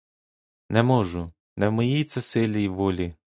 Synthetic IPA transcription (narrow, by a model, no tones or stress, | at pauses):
nɛmɔʒʊ | nɛwmɔjijt̪sʲɛsɪlʲijʋɔlʲi